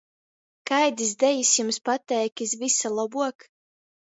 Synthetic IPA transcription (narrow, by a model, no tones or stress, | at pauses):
kajd̪izd̪ɛjisjumspat̪ɛjkʲis̬visalˠɔbuɔk